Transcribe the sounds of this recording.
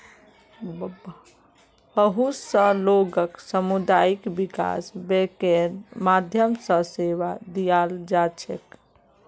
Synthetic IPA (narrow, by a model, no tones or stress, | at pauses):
bb | bəɦusəloɡəksəmud̪aikbika̰sbekeɾmad̪ʱjəmsə̃seʋad̪ijald͡ʒat͡ʃʰek